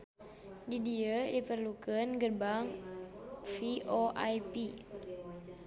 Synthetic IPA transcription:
didiədipərlukənɡərbaŋ | fiʔoʔajpi

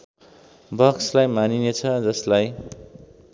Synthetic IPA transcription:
bʌkslajmaninet͡sʰʌd͡zʌslaj

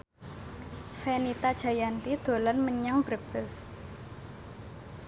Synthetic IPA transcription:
fenit̪ad̥ʒ̥a̤jant̪id̪̥o̤lanməɲaŋb̥əb̥əs

